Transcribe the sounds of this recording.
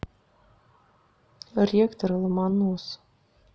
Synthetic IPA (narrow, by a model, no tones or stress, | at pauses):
rʲekt̪oɾlˠmɑnus